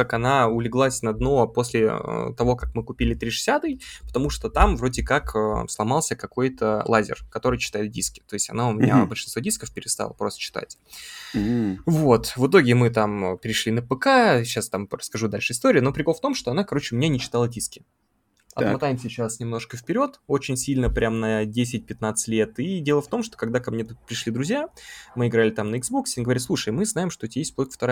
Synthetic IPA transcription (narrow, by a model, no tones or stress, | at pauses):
kakɐnaʊlʲɪɡlˠasʲnɐd̪no̞po̞sʲlʲɪə̰t̪ɐvo̞kak̚mɨkʊpʲilʲɪt̪ɾʲiʂɨ̥sʲat̪ɨjpə̥t̪ɐmuʂt̪o̞t̪amvɾo̞dʲɪkakəslˠɐmɑlˠsʲəkɐko̞jt̪əlˠazʲɪ̰rkɐt̪o̞ɾɨjt͡ɕɪ̥t̪ajɪt̪̚dʲiskʲɪ̥t̪o̞ɪsʲtʲɐ̰naʊmʲɪnʲa̰bəɨlʲʂɨnsvodʲiskəfpʲɪɾʲɪst̪a̰lˠəpɾost̪ə̥t͡ɕɪ̥t̪a̰tʲ | vo̞t̪vɨt̪̬o̞ɡʲɪmɨt̪ampʲɪɾʲɪʂlʲinəpɨkaɕast̪amɾəskɐʐud̪alʲʂɨɪst̪o̞ɾʲɪːno̞pɾʲɪko̞lft̪o̞mʂt̪o̞ɐnakɐɾot͡ɕɪʊmʲɪnʲanʲɪt͡ɕɪ̥t̪alˠədʲiskʲɪ̥ | ɐ̰t̪mɐt̪ajɪmsʲɪt͡ɕːasnʲɪmno̞ʂkəfʲpʲɪɾʲo̞t̪o̞t͡ɕɪnʲsʲilʲnəpɾʲʔamnɐdʲes̬ʲɪt̚ʲpʲɪt̪nat̪sɨ̥tʲlʲe̞t̪idʲe̞lˠəft̪o̞mʂt̪o̞kɐɡd̪akɐmnʲepɾʲɪʂlʲid̪ɾʊzʲjamɨɪɡɾalʲɪt̪amnəɪɡzbo̞ksʲɪiɡəvɐɾʲit̪lˠuʂəjmɨznaɪmʂt̪otʲajesʲt̚ʲplˠokə̥ft̪ɐɾa